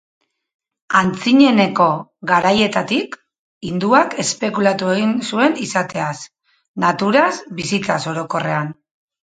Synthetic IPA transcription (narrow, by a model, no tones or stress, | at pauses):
ant͡siɲe̞ne̞ko̞ɣaɾaje̞t̪at̪ik | ind̪uake̞spe̞kulat̪ue̞ɣinsue̞nisat̪e̞as | nat̪uɾasbisit͡saso̞ɾo̞ko̞re̞an